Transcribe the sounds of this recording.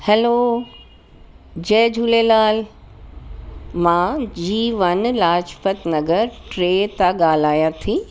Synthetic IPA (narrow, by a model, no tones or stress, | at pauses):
hɛlo | d͡ʑɛːd͡ʑʱulelaːl | mãd͡ʑiːʋɐnlaːt͡ʃpət̪nɐɡəɾʈɾeːt̪aɠaːl̤aːjat̪ʰiː